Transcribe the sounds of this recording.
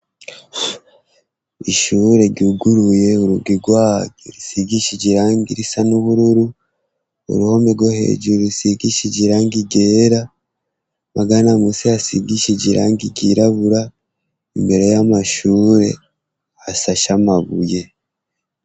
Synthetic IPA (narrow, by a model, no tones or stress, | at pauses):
iʃuɾe̞ɟuɡuɾuje̞uɾuɡiɡwaːɡiɾisiɡiʃiɟiɾaːŋɡiɾisanuhuɾuɾu | o̰ɾuho̞meɡwohe̞̰ːɟuɾuɾisiɡiʃiɟiɾaːŋɡiɡeːɾa | maɡanamusiasiɡiʃiɟiɾa̰ːŋɡiɟiɾaβuɾa | imbe̞ɾe̞jamaʃuːɾe̞̰ | asaʃamaβuje̞